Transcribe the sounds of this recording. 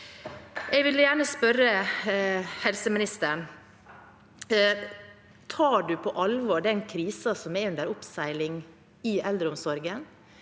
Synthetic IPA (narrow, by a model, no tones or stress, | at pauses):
ʔɛɡʋɪlːəjæːɳəspœɾə | hɛlsəmɪnɪst̪əɳ | t̪ʰɑːɖʉːpʰɔʔɑlʋoːɖɛnkʰɾiːsɑsɔmɛʉnd̪əɾʊpsæɪlɪŋ | ɪɛld̪ɾəʊmsɔɾɡən